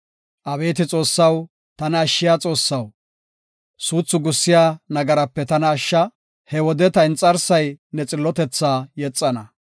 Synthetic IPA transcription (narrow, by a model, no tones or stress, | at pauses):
ʔɐbe̞ːt̪ɪt͡sʼo̞ːsːɐw | t̪ɐnɐːʃːɪjaːt͡sʼo̞ːsːɐw | suːt͡sːʊɡʊsːɪjaːnɐɡɐɾɐpːɛt̪ɐnɐːʃːɐ | hɛwɔd̪ɛt̪ɐɪnt͡sʼɐɾsɐjnɛt͡sʼɪlːɔt̪ɛt͡sːaːjɛt͡sʼːɐnɐ